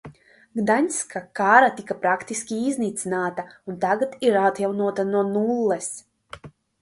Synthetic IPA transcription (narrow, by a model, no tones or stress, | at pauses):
ɡd̪aɲʲskakaːɾat̪ikapɾakt̪iskʲiizniːt̪sinaːt̪aunt̪aɡat̪iɾat̪jawnuɔt̪anuɔnulˠːɛs